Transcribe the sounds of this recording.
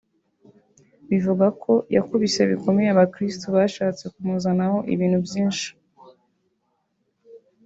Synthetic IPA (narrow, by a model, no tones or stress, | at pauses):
βivuɡakʰo̞jakuβise̞βiko̞mejaβakɾistuβaːʃaːt͡se̞kumuzanaho̞ʔḭβiːnhubjiːnʃi̥